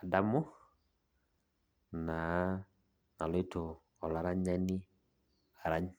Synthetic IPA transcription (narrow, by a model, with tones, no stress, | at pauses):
a˨da˦mʊ˦ | na˨ | na˨lɔ˦i˦to˨ | ɔ˨la˨ɾa˦ɲa˦ni˦ | a˨ɾa˦ɲ